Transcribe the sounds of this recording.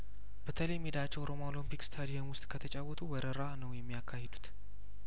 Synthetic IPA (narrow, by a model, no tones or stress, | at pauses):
b̥ət̪ʰələjmːid̪at͡ʃːɛwɾomoolimpikst̪ʰad̪ijəmwʊst̪ʼkʰət̪ʰət͡ʃʼawɔt̪ʰuwəɾəɾanəwjɛmːijakʰːahed̪ut̪